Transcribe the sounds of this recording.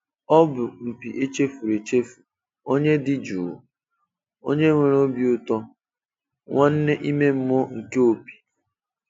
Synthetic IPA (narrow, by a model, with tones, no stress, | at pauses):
ɔ˦bʊ˨m̩˨pi˨ʔe˦t͡ʃe˦fu˨ɾe˨t͡ʃe˦fu̥˨ | o˦ɲe˦dɪ˦d͡ʒu˨ | o̰˦ɲe˦ŋʷe˨ɾo˦bi˦ʊ˦tɔ˦ | ŋʷa˦n̩˦ne˦ʔi˦me˦m̩˦mɔ˦ŋ̩˨ke˦o˨pi̥˨